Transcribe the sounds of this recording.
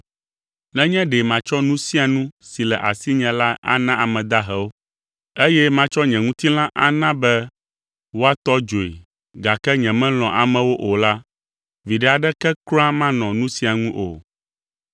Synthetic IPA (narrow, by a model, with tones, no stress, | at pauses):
nɛ̃˦ɲɛ̃˦ɖɛ˨mã˨t͡ʃɔ˦nũ˦si˦a˨nũ˦si˨lɛ˨ʔa̰˨si˦ɲɛ̃˨la˦a̰˦nã˦ʔa˨mɛ̃˨d̪a˦ɦɛ˨wo˦ | e˦jɛ˦mã˦t͡ʃɔ˦ɲɛ̃˨ŋũ˦t̪i˦l̃ã˦ʔa̰˨nã˦bɛ˦ | wo˦a˦t̪ɔ˦d͡ʒo˨ḛ˨ | ɡa˨kɛ˦ɲɛ̃˨mɛ̃˦l̃ɔ̃˨ʔa˨mɛ̃˨wo˦ʔo˨la˦ | vi˨ɖɛ˨a˨ɖɛ˦kɛ˦klɔ̃˦a˦mã˦nɔ̃˨nũ˦si˦a˨ŋũ˦ʔo̰˨